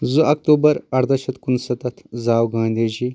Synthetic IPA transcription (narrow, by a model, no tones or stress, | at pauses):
zuʔɐk̚t̪oːbɐɾɐɾd̪ɐʃɐt̪kunsɐt̪ɐt̪ʰzaːwɡãːnd̪ed͡ʒi